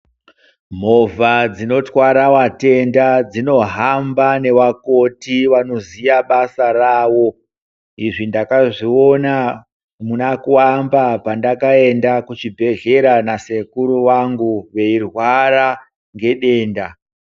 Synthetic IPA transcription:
m̤o̞vad͡zino̞twaɾawate̞ndad͡zino̞ɦambane̞ʋako̞tiʋano̞zijaɓasarawo̞ | iʐindakaʐio̞na | munakuambapandakae̞ndakut͡ʃibʱe̞ʒe̞ɾanase̞kuɾuwaŋɡuʋe̞irwaɾa | ŋɡe̞ɗe̞ːnda

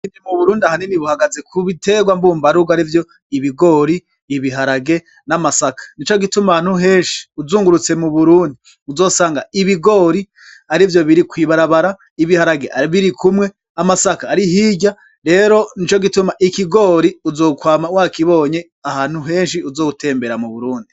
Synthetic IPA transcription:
iːndimuβuɾuːndiahaniniβuhaɡazekʰuβite̞ɡwambuːmbaɾuɡaɾivjo̞ | iβiɡo̞ːɾiː | βiɦaɾaɡe̞ | namasakḁnit͡ʃo̞ɡitumaaːn̥huɦe̞ːnʃi̥uzuːŋɡuɾut͡se̞muβuɾuːndi | uzo̞ːsaːŋɡaiβiɡo̞ːɾi | aɾivjo̞βiɾikwiːβaɾaβaɾa | iβihaɾaɡe̞̰aβiɾikʰumŋe̞ | amasakaːɾiɦiːɟa | ɾe̞ːɾo̞nit͡ʃo̞ɡitumaʔikiɡo̞ːɾiuzo̞ːkwaːmawaːkiβo̞ːɲe̞ | ahaːn̥huɦe̞ːnʃiuzo̞ːutʰe̞ːmbe̞ɾamuβuɾuːndi

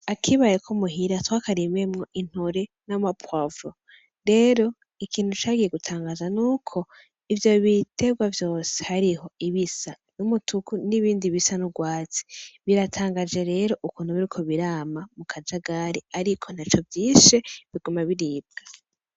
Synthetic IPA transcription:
akʰiβajekʰomuɦiɾatwaːkaɾiβemŋo̞ʔin̥hoɾe̞namapwavo | ɾe̞ːɾo̞ | ikʰiːn̥hut͡ʃaːɡije̞ɡutʰaːŋɡaːzanuːkʰo̞ | ivjo̞βitʰe̞ɡwavjo̞ːsehaɾiho̞iβisa | numutukuniβiːndiβisanuɡwaːt͡si̥βiɾatʰaːŋɡad͡ʒe̞ɾe̞ːɾo̞ʔukuːn̥huβiɾikʰo̞βiɾaːmamukʰad͡ʒaɡaɾiaɾikʰo̞nat͡ʃo̞vjiːʃeβiɡumaβiɾiːb̚ɡ̥a

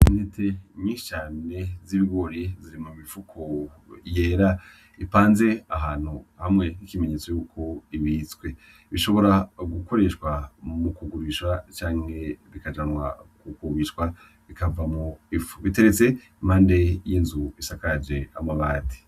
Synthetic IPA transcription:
netʰemiːʃi̥t͡ʃaːneziβiɡo̞ɾeziɾimumifukʰo | jeːɾa | ipaːnze̞aɦaːn̥huhamŋe̞nikimeɲe̞ːt͡so̞juːkʰo̞iβiːt͡swe̞ | βiʃo̞βo̞ɾaɡuko̞ɾe̞ʃwamukuɡuɾiʃwat͡ʃaːŋ̥he̞βikad͡ʒanwa̰kukuβiʃwa | βikavamoifu̥βite̞ɾe̞t͡se̞ | maːnde̞jiːnzuisakad͡ʒe̞amaβaːti̥

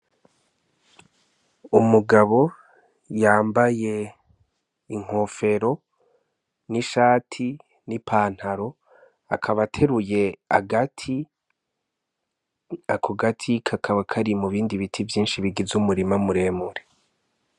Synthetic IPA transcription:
umuɡaβo̞ | jaːmbaje̞ | iŋ̥ho̞ːfe̞ɾo̞ | niʃaːtʰi | nipʰaːn̥haɾo̞ | a̰kʰaβatʰe̞ɾuje̞a̰ɡatʰi | akʰoɡatʰikʰakʰaβakʰaɾimuβiːndiβitʰivjiːnʃiβiɡizumuɾimamuɾe̞ːmuɾe

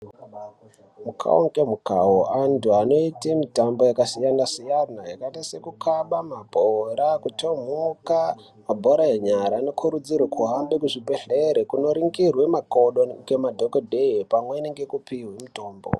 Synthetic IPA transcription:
mukʰa̰o̰ŋɡemuka̰ɦoʔantuano̞itemitambo̞jakasijanasijanajakatase̞kukʰaɓamabʱoɾakuto̞muka | mabʱoɾaeɲaɾaːno̞kʰuɾud͡zirwakʰuɦambekuʐibʱeɬeɾekuno̞ɾiŋɡirwe̞mako̞ɗoɡemadʱokodʱeipamweineŋɡekupiwemito̞ːmbo̰

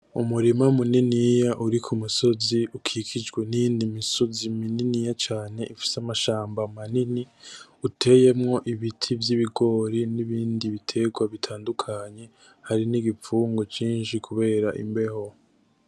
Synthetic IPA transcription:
umuɾimamuninijaʔuɾikʰumuso̞ziʔukʰikʰid͡ʒɡwenijindimiso̞zimininijat͡ʃaːne̞ʔifi̥samaʃaːmbamaniniutʰe̞je̞mŋo̞ʔiβitʰivjiβiɡo̞ɾiniβiːndiβitʰe̞ɡwaβitʰaːndukʰaɲe̞ | haɾiniɡip͡fuːŋɡot͡ʃiːnʃikʰuβe̞ːɾaʔḭmbe̞ho̞

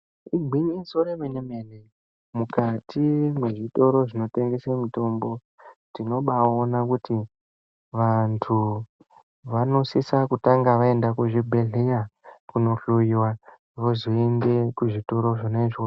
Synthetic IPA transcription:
iɡʱiɲinsoɾemenemene | mukatʰimweʐito̞ɾo̞ʐino̞te̞ŋɡe̞semito̞mbo̞ | tino̞ɓaonakuti | ʋantʰu | ʋano̞sisakutaŋɡaʋae̞ndakuʐibʱe̞ɮejakuno̞ɬuiwa | ʋoziendekuʐito̞ɾo̞ʐoneʐoo

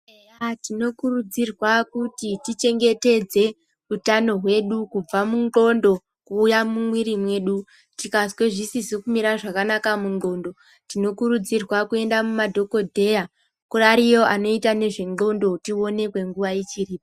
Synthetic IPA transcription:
atino̞kurud͡zirwakutitit͡ʃe̞ŋɡe̞te̞d͡ze̞ | utano̞ɦwe̞ɗukub͡vamuŋɡo̞ndo̞ | kuːjamumwiɾimwe̞ːɗu | tikaswe̞ʐisisikumiɾaʐakanakamuŋɡo̞ndo̞ | tino̞kuɾud͡zirwakue̞ndamumadʱo̞ko̞dʱe̞ja | kuraɾijo̞ʔano̞itane̞ʐe̞nɡo̞ndo̞tio̞ne̞kwe̞ŋɡuʋajit͡ʃiriːpo

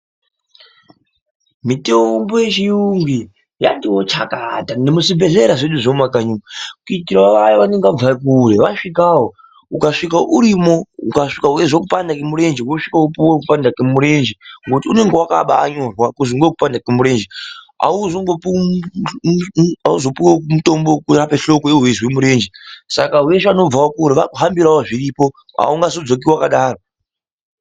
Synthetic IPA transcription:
mitembojet͡ʃijuŋɡi | ja̰ndiwot͡ʃakatanemusibʱeɮeɾaʐeɗuʐomakaɲuakuitiɾaʋajaʋaneŋɡavaikuɾeʋaʂikaɦo | ukaʂikaʔuɾimo̞ukaʂikaueʐokupandakemuɾe̞nd͡ʒiwoʂikaupiwok̬upandakemuɾe̞nd͡ʒeŋɡotiune̞ŋɡewaka̰ɓaːɲo̞ːrwakuziŋɡwekupandakemuɾe̞ːnd͡ʒe | a̰uzoŋɡop | auzo̞piwokumuto̞mbokurapeɬo̞koewezwemuɾe̞ːnd͡ʒesa̰kaɦuweʃano̞b͡vvawokuːɾeʋakuɦambiɾawoʐiriːpo | a̰uŋɡazo̞d͡zo̞k̬iwakaɗaːro

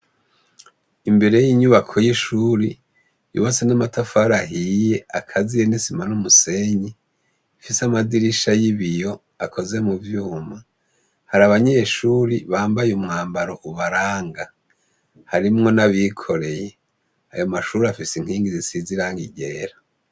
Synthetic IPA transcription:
imbe̞ɾe̞jiɲuβakʰo̞jiʃuːɾi | jṵβasenamatafaɾahije̞akʰazijenisimanumuse̞ɲi | fisamadiɾiʃajiβijo̞ | akʰo̞ze̞muvjuːma | haɾaβaɲeʃuːɾiβaːmbajeumŋaːmbaɾo̞ʔuβaɾaːŋɡa | haɾimŋo̞naβikʰo̞ɾe̞je | ajo̞maʃuɾiafisiŋ̥hiːŋɡizisiziɾaŋɡiɟe̞ːɾa

